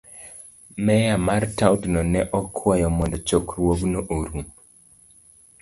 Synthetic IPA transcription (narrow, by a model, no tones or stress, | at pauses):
mɛjamartawtnɔnɛʔɔkʰwajɔmɔnd̪ɔt͡ʃokɾwoɡnoʔoɾum